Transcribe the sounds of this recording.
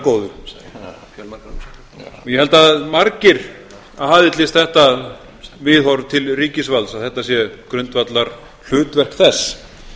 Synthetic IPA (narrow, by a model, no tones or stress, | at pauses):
koːwðʏ | jɛhɛlt̪aðmaɾcɪɾ̥ | aðhaːðɪt̪lɪst̪θɛht̪a | vɪðhɔwɾt̪ʰɪlriːcɪsvalsaðθɛht̪asjɛkɾʏnt̪vat̪laɾ̥ | l̥ʏːt̪vɛr̥kθɛsː